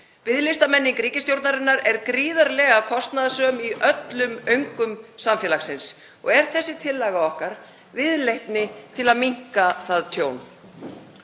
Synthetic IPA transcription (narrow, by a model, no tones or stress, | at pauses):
vɪðlɪst̪amɛnːiŋkɾiːcɪst̪jowɾt̪naɾɪnːaɾɛɾkɾiːðaɾlɛɣakʰɔst̪naðasœmiʔœt̪lʏmœɥŋkʏmsamfjɛlaxsɪns | ɔɣɛɾ̥θɛsːɪt̪ʰɪlːɛɣaɔhkaɾ | vɪðlejht̪nɪt̪ʰɪlaðmiŋ̥kaθaðt̪ʰjoːwn